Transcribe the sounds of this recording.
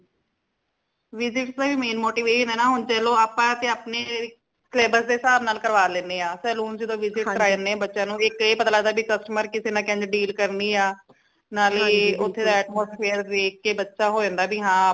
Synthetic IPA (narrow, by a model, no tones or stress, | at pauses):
ʋɪzɪʈsd̪aːbiːmeːnmoːʈiːʋeːʃĩnɛːnãːɦʊnt͡ʃɛːloːaːpãːt̪ẽːaːpneː | kʰleːbəɾsd̪eːsaːbnaːlkəɾʋaːlẽːneːãːsɛːluːnd͡ʒɪd̪õːʋɪzɪʈkɾaːjəɾneːbətːʃãːnũːɪkeːpət̪alaːd̪aːbʱiːkəsʈəməɾkɪseːnãːkɛ̃ːɲd͡ʒɖiːlkəɾniːaː | naːleːʊt̪ʰːeːd̪aːɛːʈmoːspʰeːəɾd̪eːkːeːbətːʃaːɦoːd͡ʒẽːnd̪aːbʱiːɦãː